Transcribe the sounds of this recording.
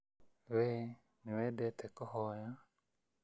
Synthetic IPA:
we | niwedɛt̪ɛkɔhɔja

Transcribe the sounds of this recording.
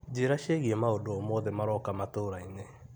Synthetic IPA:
d͡ʑeɾaʃeɣiemaodoɔmɔðemaɾɔkamatoɾaine

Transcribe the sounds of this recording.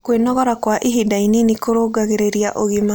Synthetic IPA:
kwenɔɣɔɾakwaʔiɦidaininikoɾoːɡaɣeɾeɾiaʔoɣima

